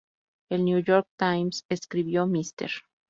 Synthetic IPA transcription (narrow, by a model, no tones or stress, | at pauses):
elnjujoɾk̚t̪ajmseskɾiβjomist̪ḛɾ